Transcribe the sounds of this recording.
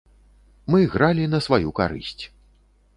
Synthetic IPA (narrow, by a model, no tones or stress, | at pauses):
mɨɣɾalʲinɐsvajuka̰ɾɨ̰sʲt͡sʲ